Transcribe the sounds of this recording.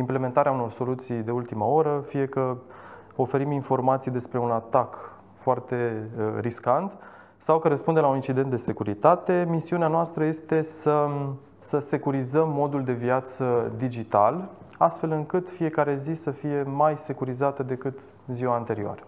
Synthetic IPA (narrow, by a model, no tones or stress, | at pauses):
imple̞me̞nt̪aɾeauno̞rso̞lut̪sijd̪e̞ult̪imao̞ɾəfije̞kə | o̞fe̞ɾiminfo̞rmat̪sijd̪e̞spɾe̞unat̪ak | foart̪e̞riskant̪ | sawkəɾəspund̪elaunint͡ʃid̪e̞nd̪e̞se̞kuɾḭt̪at̪e̞misiuneanoast̪ɾəje̞st̪e̞sə | səse̞kuɾizəmːo̞d̪uld̪e̞viat̪səd̪id͡ʒit̪alast̪fe̞lɨŋkɨt̪fije̞kaɾe̞zisəfije̞majse̞kuɾizat̪əd̪e̞kɨt̪ | ziwant̪e̞ɾioa̰ɾə